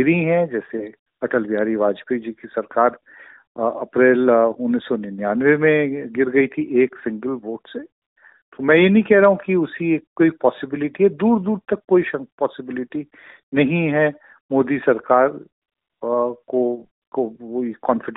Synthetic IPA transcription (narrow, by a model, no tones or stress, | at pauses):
ɪɾiɦɛ̃d͡ʒɛːse | ɐʈəlʋijaːɾiʋaːd͡ʒpid͡ʒiːkisɐɾkaːɾ | ɐ̰pɾeːlʊnːisːɔnnjaːnʋemẽɡɪɾɡɐit̪ʰiʔeːksɪ̃ŋɡəlʋoːʈse | t̪omɛ̃jenɐɦĩkɛɦɾaɦũkiʊsieːkːoːipɔːsɪbɪlɪʈiɦɛd̪uːɾd̪uːɾt̪ɐkːoːiʃɐ̃pɔːsɪbɪlɪʈi | nɐɦĩɦɛ | moːd̪isɐɾkaːɾ | ko | kooikɔːnfɪɖ